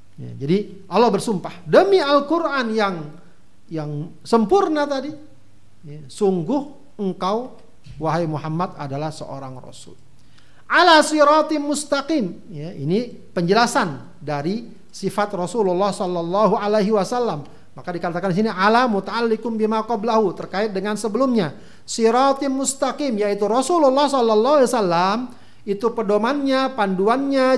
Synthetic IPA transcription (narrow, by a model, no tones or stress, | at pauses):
ja̰d͡ʒadi | ʔɑlːɑhbərsumpahdəmialkurʔanjaŋ | jaŋ | səmpʊrnat̪adi | jasuŋɡʊh | əŋkaw | waɦajmuɦamːat̪adalahsə̰ʔo̰ɾaŋrɔ̰sṵl | ʔalasiɾɑt̪mʊst̪aqim | jaini | pəɲd͡ʒəlasan | daɾi | sifat̪rosululːahsɔlːalːɑɦualaɦiwasalːamː | akadikat̪akandis̬iniʕalamut̪aalːikʊmbimaqɔblaɦut̪ərkaɪt̪̚dəŋansəbəlʊmɲa | siɾɑt̪imust̪aqimjait̪uɾɔsululːɑhsɔlːalːɑɦisalːam | it̪upədomanɲapanduanɲa